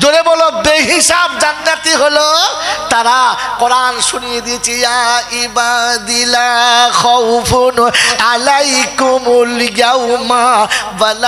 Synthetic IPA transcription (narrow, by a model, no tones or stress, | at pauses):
d͡ʒoɾebɔlobeɦisabd͡ʒanːat̪iɦolot̪aɾakɔɾanʃunijed̪it͡ʃʰijãibad̪ilakʰɔwpʰunalaikumuljawmabala